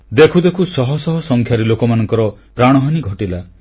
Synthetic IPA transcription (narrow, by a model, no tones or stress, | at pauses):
d̪ekʰud̪ekʰusɔɦɔsɔɦɔsɔŋkʰjaɾelokɔmanɔŋkɔɾɔpɾaɽ̃ɔɦaniɡʱɔʈila